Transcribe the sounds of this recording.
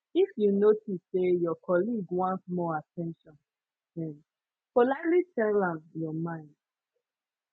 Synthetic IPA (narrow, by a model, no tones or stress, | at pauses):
ifjunotisejɔkʰɔliɡwãntmɔatɛ̃nʃɔ̃n | ɛ̃n | polalitɛlãmjɔmãɪ̃nd̥